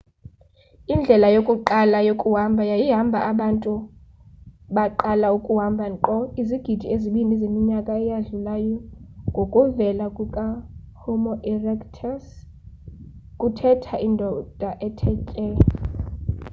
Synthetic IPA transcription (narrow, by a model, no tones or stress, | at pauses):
ind͡ɮʱɛlajokʼuǃalajokʼuɦambʱajajiɦambʱaʔaɓantʼu | ɓaǃalaukʼuɦambʱaŋǃɔiziɡ̥ʱid̥ʱieziɓinʱizemiɲakʼaɛjaɮulajɔŋɡʱokʼuvɛlakʼukʼa | homɔʔɛrɛktʰas | kʼutʰɛtʰaʔindʱɔd̥ʱaʔɛtʰɛcʼɛ